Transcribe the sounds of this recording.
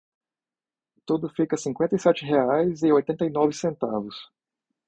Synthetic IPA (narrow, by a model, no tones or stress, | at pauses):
t̪od̪ʊfikɐsĩŋkwẽnt̪ɐijsɛt͡ʃɪɦeajzɪojt̪ẽnt̪ɐjnɔvɪsẽnt̪avʊs